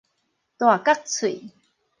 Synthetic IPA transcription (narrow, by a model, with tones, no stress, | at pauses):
t̪wa˨˩ka˦˥k̚t͡sʰu˨˩˨